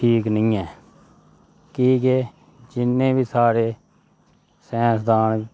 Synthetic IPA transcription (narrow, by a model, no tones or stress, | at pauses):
ʈʰiːknĩːɛː | kiːkeː | d͡ʒɪnːẽːbiːsaːɾeː | sɛ̃ːsd̪aːn